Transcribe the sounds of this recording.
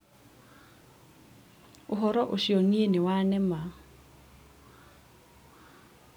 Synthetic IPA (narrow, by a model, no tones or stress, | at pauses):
ʊɦɔɾɔʔʊʃionienɪwanɛma